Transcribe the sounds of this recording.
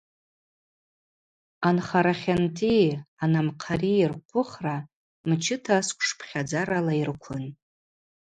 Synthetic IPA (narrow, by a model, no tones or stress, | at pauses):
anχaɾaχʲantʰianamqʰarirqʷʰʊχra | mt͡ʃʰɪtʰaskʷʰʂpʰχʲad͡zaɾalairkʷʰʊn